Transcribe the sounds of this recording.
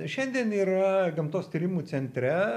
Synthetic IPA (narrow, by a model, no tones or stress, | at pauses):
ʃʲɛnʲd̪ʲiɛniːɾɐɡɐmt̪oːst̪ʲiːɾʲɪmuːsʲɛnʲt̪ʲɾʲɛ